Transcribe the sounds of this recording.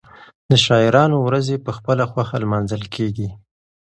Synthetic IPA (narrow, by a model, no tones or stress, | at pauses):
d̪̥əʃɑɪɾɑnowɾazepəxpəlaxwaxalmɑnzəlkʰeɡi